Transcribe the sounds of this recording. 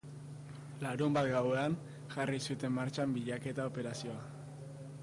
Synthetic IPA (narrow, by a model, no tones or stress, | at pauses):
laɾumbat̪ɡawe̞an | ʝarisut̪e̞mːaɾt͡ʃambiʎake̞t̪ao̞pe̞ɾasio̞a